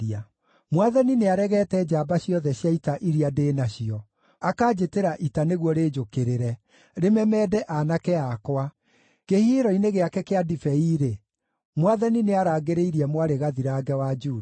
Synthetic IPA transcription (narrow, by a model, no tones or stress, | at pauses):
a | mwaðɛnineaɾɛɣɛːtɛd͡ʒaːbaɕijɔðɛɕjaitaʔiɾiadeːnaɕiɔ | akaːd͡ʑeteɾaʔitaneɣwɔɾeːd͡ʒokeɾeɾɛ | ɾemɛmɛːdɛʔanakɛakwa | kehieɾɔineɣeakɛkeadifɛiɾe | mwaðanineaɾaːɡeɾeiɾiɛmwaɾeɣaðiɾaːɡɛwad͡ʒuː